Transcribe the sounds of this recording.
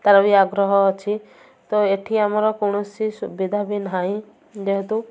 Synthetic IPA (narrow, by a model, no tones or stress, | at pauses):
t̪aɾɔbiaɡɾɔɦɔːt͡ʃʰi | t̪ɔeʈʰiamɔɾɔkɔɽ̃ɔsisubid̪ʱabinɦaĩ | d͡ʒ̪eɦt̪u